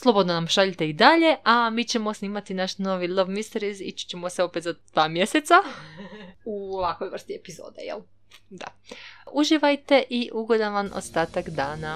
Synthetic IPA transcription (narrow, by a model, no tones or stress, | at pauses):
slˠobo̞d̪nonamʃaʎit̪e̞id̪aʎe̞ʔamiːt͡ɕemo̞sniːmat̪inaʃno̞ʋilˠaʋmist̪eɾizḭt͡ɕt͡ɕemoseo̞pet̪zad̪̥ʋaːmje̞set̪sa | uoʋakʋojʋr̩st̪iepizo̰ːd̪ḛjḛl | d̪a̰ | uʒiʋajt̪e̞ʔiʔuɡo̞d̪aʋano̰st̪aːt̪akd̪aːna